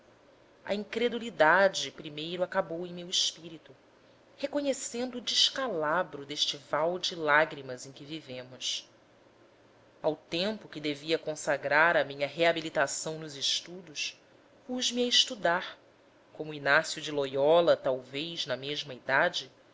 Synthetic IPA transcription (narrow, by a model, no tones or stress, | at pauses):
ɐ̰ĩŋkɾed̪ulid̪ad͡ʒɪpɾimejɾʊakabowẽj̃mewiʃpiɾit̪u | hekoɲesẽnd̪ʊːd͡ʒiʃkalabɾʊd̪eʃt͡ʃɪvawd͡ʒɪlaɡɾimɐzẽj̃kʲɪvivẽmʊs | awt̪ẽmpʊkɪd̪eviɐkõsaɡɾaɾɐmĩɲɐɦeabilit̪asɐ̃w̃nʊzɪʃt̪ud̪ʊs | puʒmiɐɪʃt̪ud̪aɾ | kõmʊinasjud͡ʒɪlojɔlɐt̪awvejznɐmeʒmɐid̪ad͡ʒɪ